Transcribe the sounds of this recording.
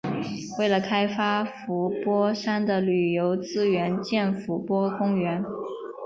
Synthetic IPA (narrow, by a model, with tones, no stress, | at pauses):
we˥˩ɪlə˩kʰa˥ɪfa˥fu˧˥pwɔ˥ʂa˥nd̪ə˨ly˨˩jo˧˥ʊt͡sɹ̩˥˩ɥɛ˧˥nt͡ɕjɛ˥˩nfu˧˥pwɔ˥kʊ˥ŋɥɛ˧˥n